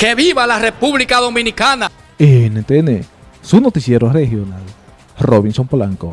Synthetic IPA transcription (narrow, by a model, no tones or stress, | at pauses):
keβiβalarepuβlikaðomĩnikana | enent̪ene | sunot̪isjeɾorehjonal | roβinsomplaŋko